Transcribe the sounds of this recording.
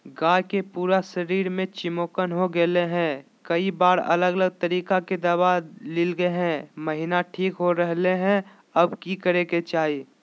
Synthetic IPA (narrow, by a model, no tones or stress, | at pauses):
ɡãːjkepuːɾasəɾiːɾmẽt͡ʃɪmoːkənɦoɡeleɦɛ̃ | kəibaːɾə̰ləɡələɡ̚t̪əɾiːkaked̪əbalɪlɡəeɦɛ̃məɦinaʈʰiːkɦoɾəɦleɦɛ̃ | əbkikəɾeket͡ʃaːɦiː